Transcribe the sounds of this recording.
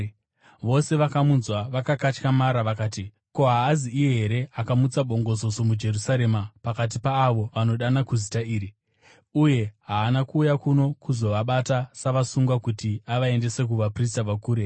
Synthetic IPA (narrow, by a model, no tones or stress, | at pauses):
ʋo̞se̞ʋakamunzwaʋakakat͡ʃkamaɾaʋakaːti | ko̞ɦaːziːjeɦe̞ɾe̞akamut͡saɓo̞ŋɡo̞zo̞so̞mud͡ʒe̞rusaɾe̞mapakat̬ipaːʋo̞ʋano̞ɗanakuzitaiːɾi | uje̞ɦaːnakuːjakuno̞kuzo̞ʋaɓatasaʋasuŋɡwakutiaʋae̞nde̞se̞k̬uʋapris̬taʋakuːɾe̞